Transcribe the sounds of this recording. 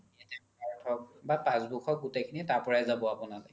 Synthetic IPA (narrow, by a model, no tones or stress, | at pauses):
ɛtɛ | aɹtʰɔkbapãsbukʰɔk̚ɡutekʰinitaɹpɔɹajzabɔapɔnalɔ̰